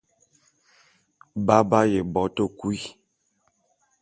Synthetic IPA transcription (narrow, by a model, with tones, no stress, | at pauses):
ba˦ba˦je˨bɔ˨˦to˦˨ku˦i˦